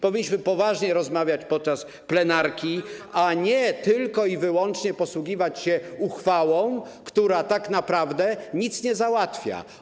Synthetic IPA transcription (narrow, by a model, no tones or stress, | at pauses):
pɔvʲiɲːiɕmɘpɔvaʐɲɛɾɔzmavʲjat͡ɕpɔt̪̚t͡ʂas | plɛnaɾkʲiaɲɛt̪ɘlkɔivɘwɔnt͡ʂɲɛpɔswuɡʲivat͡ɕɕɛuxfawɔ̃w̃ | kt̪uɾat̪aknapɾavd̪ɛɲit̪sɲɛzawat̪fʲja̰